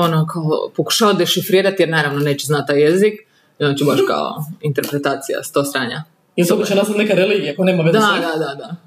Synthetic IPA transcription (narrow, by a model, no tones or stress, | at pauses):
onokʰao̰poku̥ʃaːʋad̪e̞ʃifɾiːɾat̪jeɾnaːɾaʋnoneːt͡ɕeznat̪̚ːaːjezik | ont͡ɕubaʃka̰o̰int̪e̞ɾpɾet̪aːt̪sija̰st̪oːsɾaːɲa | jelt̪od̪at͡ʃenaːzat̪nekaɾeliːɡijakoneːmaʋed̪ad̪ad̪ad̪a